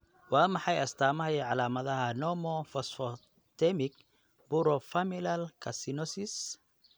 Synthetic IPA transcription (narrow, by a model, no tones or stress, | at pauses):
wɑːmɑħɑjɐst̪ʰaːmɐɦɐjɛʕɑlaːmɐðɐɦɐnɔmɔfɔsfɔ | t̪ʰɛmɪk | b̥uɾɔfɐmɪlɐlkʰɐsɪnɔsis